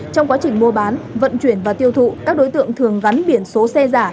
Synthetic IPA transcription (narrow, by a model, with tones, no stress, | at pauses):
t͡ɕɔ˧wŋ͡mkwaː˨˦t͡ɕï˨˩ŋ̟mu˧əɓaː˨˦nvə̰˧˨nt͡ɕwi˧˩ənvaː˨˩t̪i˧əwt̪ʰṵ˧˨kaː˦˥k̚ɗo˨˦jt̪ɨ̰˧˨əŋt̪ʰɨ˨˩əŋɣa˨˦nɓi˨˧˩ənso˨˦sɛ˧zaː˧˩